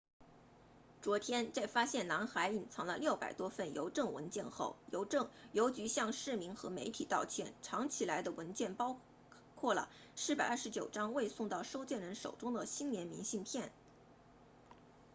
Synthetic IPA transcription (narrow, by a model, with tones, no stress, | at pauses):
t͡swɔ˧˥t̪ʰjɛ˥nt͡sa˥˩ɪfa˥ɕjɛ˥˩nna˧˥nxa˧˥ɪi˨˩nt͡sʰɑ˧˥ŋlə˧ljo˥˩ʊpa̰˨˩ɪt̪wɔ˥fə˥˩njo̰˧˥ʊʈ͡ʂɤ˥˩ŋwə̰˧˥nt͡ɕjɛ˥˧nxo̰˥˩ʊjo˧˥ʊʈ͡ʂɤ˥˩ŋjo˧˥ʊt͡ɕy˧˥ɕjɑ˥˧ŋʂɻ̩˥˩mi˧˥ŋxɤ˧˥me˧˥ɪt̪ʰi˨˩t̪ɑ˥˧ʊt͡ɕʰjɛ˥˩nʈ͡ʂʰɑ˧˥ŋt͡ɕʰi˨˩la˧˥ɪd̪ə˧wə˧˥nt͡ɕjɛ˥˩npɑ˥ʊ | kʰwɔ˥˩lə̰˩ | ʂɻ̩˥˩pa˨˩ɪɐ˞˥˩ʂɻ̩˧˥t͡ɕjo˨˩ʊʈ͡ʂɑ˥ŋwe˥˧ɪsʊ˥˧ŋt̪ɑ˥˩ʊʂo˥ʊt͡ɕjɛ˥˩nɻə˧˥nʂo̰˨˩ʊʈ͡ʂʊ˥ŋd̪ə˨ɕi˥nnjɛ˧˥nmi˧˥ŋɕi˥˧npʰjɛ˥˩n